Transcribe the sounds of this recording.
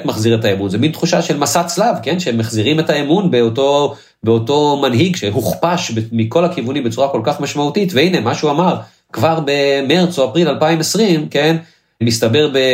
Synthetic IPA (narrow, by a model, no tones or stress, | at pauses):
t̪maχziʁet̪aemunzemint̪χuʃaʃe̞lmasat͡slavke̞nʃeemːaχziʁime̞taemunbeoto̞ | beoto̞manɦiɡʃeɦuχpaʃbemiko̞lakivunimbet͡suʁako̞lkaχmaʃmautit̪veine̞maʃeuamaʁ | kvaʁbe̞meʁt͡soapʁilalpaimesʁimke̞n | mistabe̞ʁbe̞